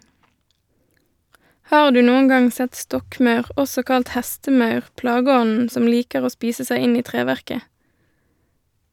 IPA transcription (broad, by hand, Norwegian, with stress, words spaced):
ˈhɑːʁ ˈdʉː ˈnuːən ˈɡɑŋ ˈsɛt ˈstɔkˌmɑʉʁ ˈʔɔsɔ ˈkɑlt ˈhæstəˌmɑʉʁ ˈplɑːɡəˌɔnn̩ ˈsɔm ˈliːkəʁ ˈoː ˈspiːsə ˈsæɪ ˈɪn ˈiː ˈtʁeːʋæʁkə